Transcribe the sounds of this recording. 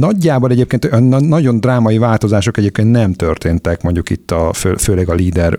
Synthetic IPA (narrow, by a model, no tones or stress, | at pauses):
nɒɟːaːbonɛɟeːp̚keːnt̪nnːɒɟo̞nd̪raːmɒjivaːlt̪o̞zaːʃo̞kɛɟeːp̚keːnt̪nɛmt̪ø̞rt̪eːnt̪ɛkmoɲɟukḭt̪ːɒføːføːlɛɡɒliːd̪ɛr